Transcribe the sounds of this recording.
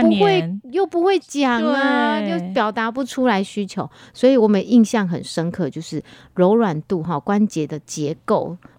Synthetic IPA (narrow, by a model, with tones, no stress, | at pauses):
pu˧˦xwe˥˨ɪjo˥˩ʊpu˧˦xwe˥˩ɪt͡ɕjɑ˨˩ŋə˨˦jo˥˩ʊpjɑ˨˩ʊt̪a˧˥pu˧˥ʈ͡ʂʰu˥la˧˦ɪɕy˥t͡ɕʰjo˨˧˦ʊswɔ˧˥i˨wɔ˨˩mə̃˨i˥˧ŋɕjɑ˥˨˩ŋxə̰˨˩nʂə˦nkʰɤ˥˩t͡ɕjo˥˧ʊʂɻ̩˥˩ | ɻo˧˥ʊɻwa˨˩nt̪u˥˨ɦɔ˨˩kwa˦nt͡ɕjɛ˧˥d̪ə˨t͡ɕjɛ˧˦ko˥˩ʊ